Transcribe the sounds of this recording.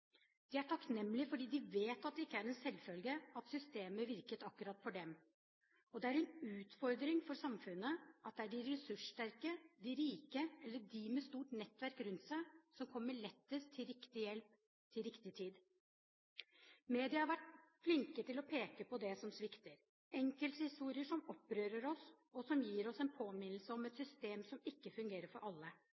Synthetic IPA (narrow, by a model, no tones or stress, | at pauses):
d̪̥ɪæʈʰɑknɛmːlɪfɔɖiːd̪ɪʋeːt̪ɑt̪̚d̪ɛɪkːəæɾɛnsɛlːfœlɡəɑt̪sʏst̪eːməʋɪɾkət̪ɑkːʉɾɑt̪ːfɔɖɛm | ɔd̪ɛæɾɛnʉːt̪fɔɾd̪ɾɪŋfɔɾsɑmfʉnːəʔɑt̪̚d̪ɛæɖɪɾɛsʉʂʈæɾkəd̪ɪɾiːkəɛlːəɖɪmɛst̪uːʈnɛt̪ːʋæɾkɾʉnt̪sæɪsɔmkʰɔmːəɭɛt̪ːəst̪ʰɪlɾɪkt̪ɪjɛlp | t̪ʰɪlɾɪkt̪ɪt̪ʰiːd̪ | meːd̪ɪəhɑɾʋæʈflɪŋkət̪ɪlɔpʰeːkəpɔd̪ɛsɔmsʋɪkt̪əɾ | ɛŋkəlt̪shɪst̪uːɾɪəʂɔmɔpːɾøːɾəɾɔs | ɔsɔmjiːɾɔsɛnpʰoːmɪnl̩səɔmɛt̪sʏst̪eːmsɔmɪkːəfʉŋɡeːɾəɾfɔɾʔɑlːə